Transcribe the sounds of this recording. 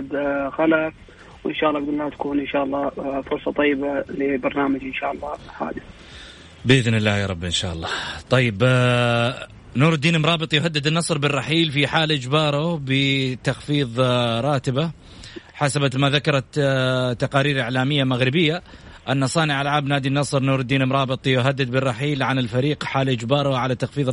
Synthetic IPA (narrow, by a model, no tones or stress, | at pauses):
d̪xalaf | wʔɪ̰nʃaːʔlːʔɡd̪lːaːt̪ḁkuːnʔɪnʃaːʔɑlˤːɑːfʊɾˤsˤɑt̪ˤɑjːɪbalɪbɑɾˤnaːmad͡ʒʔɪnʃa̰ːʔlːɑːħa̰ːd̪ɪθ | bɪʔɪðnɪlːaːjɑːɾˤɑbːʔɪnʃa̰ːʔɑlˤːɑːt̪ˤɑjːɪb | nuːɾɪd̪ːiːnɪmɾˤɑːbɨt̪ˤjʊɦad̪ːɪd̪ɪnːɑsˤɾbɪrˤːɑħiːlfiħaːlʔɪd͡ʒbɑːɾˤʊbɪt̪axfiːðˤɾˤɑːt̪ɪba | ħasabat̪maðakɑɾˤɑt̪t̪ːɑqɑːɾiːɾʔɪʕlaːmɪjːamaɣɾɪbɪjːa | ʔanːasˤɑːnɪʕalʕaːbnaːd̪inːɑsˤɾnuːɾɪd̪ːiːnɪmɾˤɑːbɨt̪ˤjʊɦad̪ːɪd̪̚bɪrˤːɑħiːlʕanɪlfaɾiːqħaːlʔɪd͡ʒbɑːɾˤʊʕalat̪axfiːðˤ